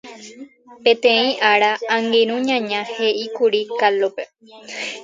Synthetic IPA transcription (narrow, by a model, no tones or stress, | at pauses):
pẽt̪ẽĩʔaɾaãŋɡeɾ̃ũɲãɲãhe̞ʔikuɾikalope